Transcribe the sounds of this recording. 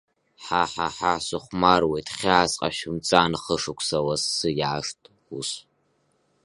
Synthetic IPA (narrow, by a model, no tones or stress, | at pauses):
ħaħaħasɨχʷmarwejtʰχʲiasʼqʼa̰ʃɪmt͡sʼaːnɨχəʂɨkʷʰsɐwɐsːɨjaːʂtʼ | us